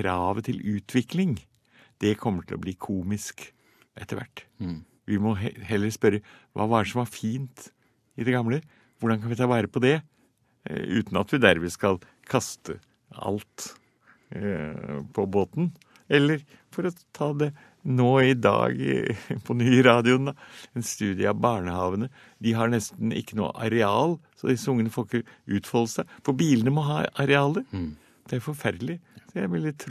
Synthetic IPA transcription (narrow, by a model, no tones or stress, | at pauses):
kʰɾɑːʋət̪ʰɪlʉːt̪ʰʋɪklɪŋ | d̪̥ɛkʰɔmːəʈʰɪlɔ̰bliːkʰuːmɪsk | ʔɛt̪ːəɾʋæ̰ʈː | ʋɪmɔhɛlːəɾspœɾəʋʔɑ̰ːʋɑːæɖɛʂɔmɑɾfiːnt̪ | ɪd̪ɛɡɑmlə | ʋʊɖɑnkɑnʋɪt̪ʰɑːʋɑːɾəpʰɔd̪ɛ | ʉ̰ːt̪n̩ɑt̪ʋɪd̪æɾmɛskɑl | kʰɑst̪ə | ɑ̰lt̪ | pʰɔboːt̪n | ɛlːəɾ | fɔɾɔt̪ʰɑːd̪ɛ | noːɪd̪ɑ̰ːɡpʰɔnyːɾɑːd̪ɪʊnd̪ɑɛnst̪ʉːd̪ɪəɑʋbɑːɳəhɑːʋənə | d̪ɪɦɑɳɛst̪n̩ɪ̰kːəno̰ːə̰ʔɑ̰ɾɛɑːlsɔd̪ɪsəʊŋːənəfɔlkəɾʉːt̪fɔlːəsæɪfɔɾbiːlənəmɔɦɑːɑɾɛɑːlə | d̪̥ɛæɾfɔɾfæɾd̪lɪsɔjæɾʋɛld̪ɪt̪ʰɾ